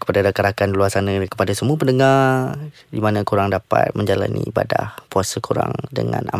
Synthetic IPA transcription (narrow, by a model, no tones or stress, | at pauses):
kə̥padadakəɾakanluasanakə̥padasəmuapəndəŋar | dimanãkuɾaŋdapa̰t̪̚məɲd͡ʒala̰nḭibadahpuasəkuɾa̰ŋdəŋãna̰